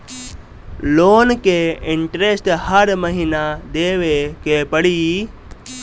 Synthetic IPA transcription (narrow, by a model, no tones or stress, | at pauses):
loːnkeɪɳʈɾesʈhəɾməɦinad̪eːʋekepəɽi